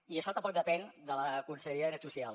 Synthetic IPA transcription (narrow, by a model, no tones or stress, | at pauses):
iəʃɔt̪əmpɔk̚d̪əpɛnd̪ələkunsəʎəɾiaɾət̪usial